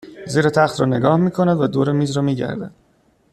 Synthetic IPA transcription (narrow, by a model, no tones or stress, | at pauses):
ziːɾet̪ʰæxt̪ʰɾɒːne̞ɡɒːhmiːkʰonæd̪væd̪oːɾemiːzɾɒːmiːɟæ̰ɾd̪æ̰d̪̥̚